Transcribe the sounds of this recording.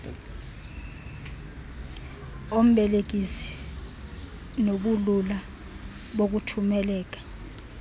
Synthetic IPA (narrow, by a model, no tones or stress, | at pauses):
om̩ɓɛlek̬isi̥ | noɓulula | ɓok̬utʰumɛlɛːk̬ḁ